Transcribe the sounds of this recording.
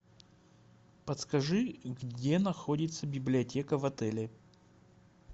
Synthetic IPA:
pət̪skɐʐɨɡdʲenɐxo̞dʲɪt̪səbʲɪblʲɪɐtʲe̞kəvɐt̪ɛlʲɪ

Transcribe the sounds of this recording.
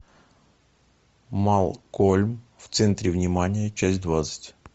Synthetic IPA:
malˠkolʲmft̪sɛnt̪ɾʲɪvnʲɪmanʲɪjət͡ɕæsʲtʲd̪vat̪sə̥tʲ

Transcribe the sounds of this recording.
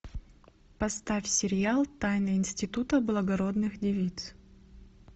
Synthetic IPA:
pɐst̪afʲsʲɪɾʲɪalˠt̪ajnɨɪnsʲtʲɪt̪ut̪əblˠəɡɐɾod̪nɨxdʲɪvʲit̪s

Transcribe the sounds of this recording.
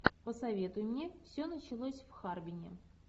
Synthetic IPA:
pəsɐvʲe̞t̪ʊmnʲefsʲonət͡ɕɪlˠosʲfxarbʲɪnʲɪ̰

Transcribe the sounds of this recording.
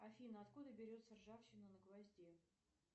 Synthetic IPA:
ɐfʲinəɐt̪kud̪əbʲɪɾʲo̞t̪sərʐafɕɪnʊnəɡvɐzʲdʲe

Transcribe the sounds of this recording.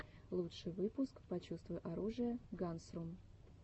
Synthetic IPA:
lˠutʂɨjvɨpʊskpɐt͡ɕust̪vʊjɪʔɐɾuʐɨjəɡansɾum

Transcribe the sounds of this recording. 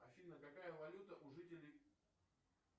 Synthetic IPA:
ɐɕʲidʲɪnəkɐkajəvɐlʲut̪əʔʊʐɨtʲɪlʲɪj

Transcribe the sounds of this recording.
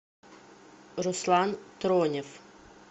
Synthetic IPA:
ɾɔslˠɑnt̪ɾɔnʲiw

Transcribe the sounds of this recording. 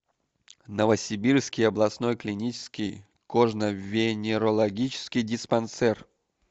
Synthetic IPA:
nəvəsʲɪbʲirskʲɪjɐblˠɐsno̞jklʲɪnʲit͡ɕɪ̥skʲɪj | koʐnəvʲɪnʲɪɾəlˠɐɡʲit͡ɕɪ̥skʲɪjdʲɪspɐnt̪sɛr

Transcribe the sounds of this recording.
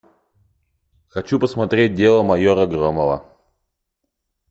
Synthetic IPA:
xɐt͡ɕupəsmɐt̪ɾʲet̚ʲdʲelˠəmɐjoɾɐɡɾomələ̰

